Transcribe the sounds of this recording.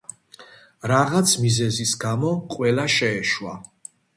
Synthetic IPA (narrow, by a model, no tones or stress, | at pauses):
ɾaʁat̪sʰmizɛzisɡamɔqʼwɛlaʃɛːʃwa